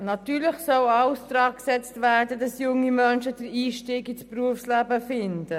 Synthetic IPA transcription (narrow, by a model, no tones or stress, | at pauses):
nɑt̪yːɾlɪχsœwɑwstɾɑːksɛt͡stvæɾdədɑsjʊŋimœnʃəd̥əɾiːʃtiːɡispruəfslæbəfɪnd̥ə